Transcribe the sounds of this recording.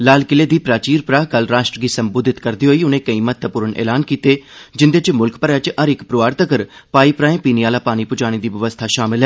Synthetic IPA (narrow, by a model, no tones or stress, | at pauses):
laːlkɪleːd̪iːpɾaːt͡ʃiːɾpɾaːkəlɾaːʃʈɾəɡiːsəmboːd̪ʱɪt̪kəɾd̪iːɦoːiːʊnẽːkəĩːmət̪ʰːəpʊːɾəɳʔɛ̰ːlaːnkiːt̪eːd͡ʒɪnd̪eːt͡ʃmʊlkpəɾat͡ʃʔəɾɪkpɾʊʋaːɾt̪əkəɾpaːiːpɾaːẽːpiːniaːlaːpaːɽ̃iːpʊd͡ʒaːɽ̃eːd̪iːʋəʋəst̪ʰaːʃaːmɪlɦɛː